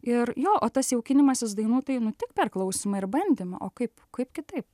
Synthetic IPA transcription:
ɪrjoːʔoːt̪ɐsjɛʊkʲɪnʲɪmɐsʲɪsd̪ɐɪnuːt̪ɐɪnʊt̪ʲɪk̚pʲɛrklˠɐʊsʲimɐɪrbɐnʲd̪ʲeːmʲɐ̰ʔoːkɐɪpkɐɪpkʲɪt̪ɐɪp

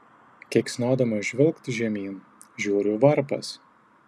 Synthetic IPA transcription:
kʲɛksʲnoːd̪ɐmɐʒʲʋʲɪlˠkt̪ʲʒʲɛmʲiːn | ʒʲuːɾʲʊʋɐɾpɐ̰s

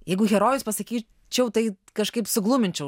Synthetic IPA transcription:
jɛɪɡʊɣʲɛɾoːjʊspɐsɐkʲiː | t͡ʃʲɛʊt̪ɐɪ | kɐʃkɐɪpsʊɡlˠʊːmʲɪnʲt͡ʃʲɛʊ

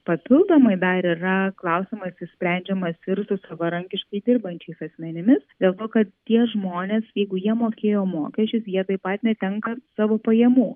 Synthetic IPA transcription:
pɐpʲɪlˠd̪oːmɐɪd̪ɐɾiːɾɐklˠɐʊsʲɪmɐsɪsʲpʲɾʲæˑnʲd͡ʒʲɛmɐsɪɾsʊsɐʋɐɾɐŋʲkʲɪʃkɐɪd̪ʲɪɾbɐnʲt͡ʃʲɛɪsɐsʲmʲɛnʲɪmʲɪsd̪ʲeːlˠt̪oːkɐt̪t̪ʲiɛʒmoːnʲeːsjɛɪɡʊjiɛmoːkʲeːjoːmo̰ːkʲɛsʲt͡ʃʲʊsjiɛt̪ɐɪppɐt̪nʲɛt̪ʲɛŋkɐsɑːʋoːpɐjɛmuː

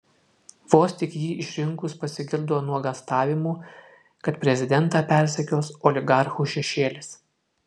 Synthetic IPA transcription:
ʋoːst̪ʲɪkjiːʔɪʃʲɾʲɪŋkʊspɐsʲɪɡʲɪɾd̪oːnuɔɡɐst̪ɑːʋʲɪmuː | kɐt̪pʲɾʲɛzʲɪd̪ʲɛnt̪ɑːpʲɛɾʲsʲɛkʲoːsɔlʲɪɡɑɾxuːʃʲɛʃʲeːlʲɪs

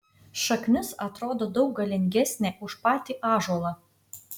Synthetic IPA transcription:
ʃɐknʲʊsɐt̪ɾoːd̪oːd̪ɒʊk̚ɡɐlʲɪŋʲɡʲɛsʲnʲeːʔʊʃpɑːt̪ʲiːʔɑːʒuɔlˠɐ

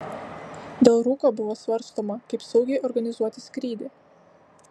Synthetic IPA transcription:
d̪ʲɛlˠɾuːkoːbʊʋoːsʋɐɾˑst̪oːmɐkɐɪpsɐʊɡʲɛɪʔɔɾɡɐnʲɪzuɔt̪ʲɪsʲkɾʲiːd̪ʲe

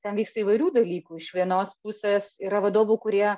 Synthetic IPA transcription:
t̪ʲɛnʋʲiːkst̪ɐiːʋɐɪɾʲuːd̪ɐlʲiːkuːɪʃʋʲiɛnoːspʊsʲeːsiːɾɐʋɐd̪oːʋukʊɾʲiɛ

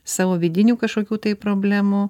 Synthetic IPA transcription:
sɑːʋoːʋʲɪːd̪ʲɪnʲuːkɐʃkoːkʲuːt̪ɐɪpɾoːbʲlʲæːmu

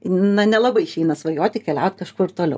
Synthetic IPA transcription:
nɐnʲɛlˠɐbɐɪʃʲɛɪnɐsʋɐjoːt̪ʲɪkʲɛlʲæʊt̪kɐʃkʊɪɾt̪oːlʲɛ̰ʊ

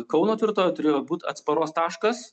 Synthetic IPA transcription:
kɒʊnoːt̪ʲʋʲɪɾt̪oːjot̪ʊɾʲeːjoːbuːt̪ɐ̰t̪spɐɾoːst̪ɑːʃkɐs

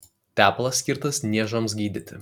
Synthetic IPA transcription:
t̪ʲæːplˠɐsʲkʲɪɾt̪ɐsnʲiɛʒɐms̬ɡʲiːd̪ʲɪt̪ʲɪ

